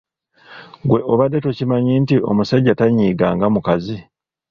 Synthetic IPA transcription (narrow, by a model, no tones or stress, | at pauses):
ɡwe̞ʔo̞βadːetocimaɲiːntiʔo̞̰musaɟːataɲiːɡaːŋɡamukazi